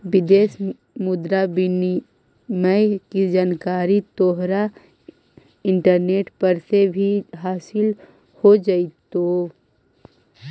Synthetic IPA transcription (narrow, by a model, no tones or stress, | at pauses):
ʋɪd̪eːs | mʊd̪ɾabini | mɛkid͡ʒaːnkaːɾit̪ɔːɦɾa | ɪ̃ɳʈəɾneːʈpɐɾsebʱiɦaːsɪl | hod͡ʒait̪o